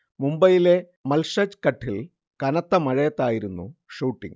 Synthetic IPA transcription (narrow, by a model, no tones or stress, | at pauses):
mumbɐjile̞ | mɐlʂɐt͡ɕkɐʈʰːil | kɐnɐt̪ːɐmɐɻɐjɐt̪ːaːjiɾunːṵʂuːʈːḭŋ